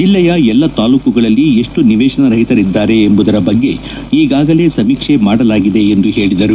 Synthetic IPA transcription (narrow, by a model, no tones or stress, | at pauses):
d͡ʒilːɐjɐɛlːɐt̪aːluːkuɡɐɭɐlːie̞ʂʈuniʋɛːʂɐnɐɾɐɦit̪ɐɾid̪ːaːɾe̞ːmbud̪ɐɾɐbɐɡːe̞ | iːɡaːɡɐle̞ːsɐmiːkʂe̞maːɽɐlaːɡid̪e̞ːnd̪uɦe̞ːɭid̪ɐɾu